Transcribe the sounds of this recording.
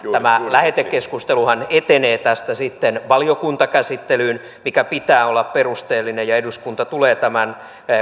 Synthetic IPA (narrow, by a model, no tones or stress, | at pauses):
æmælæhet̪ekkːeskust̪eluhɑnet̪eneːt̪æst̪æsit̪ːenʋɑliokunt̪ɑkæsit̪ːelyːn | mikæpit̪æːolːɑpperust̪eːlːinejɑeduskunt̪ɑt̪uleːt̪æmæn